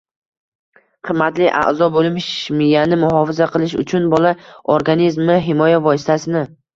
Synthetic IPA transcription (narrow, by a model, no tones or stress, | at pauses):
qʰɨmːat̪lɪʔa̰ʔzɒbolˠmɪʃmɪjanɪmʊɦɒfɪzaqʰɨlɪʃ̬ʊ̰t͡ʃʰʊnbɒlˠaoɾɡanizmɪɦɪmɒjavɒsɪ̥t̪ʰasɪnɪ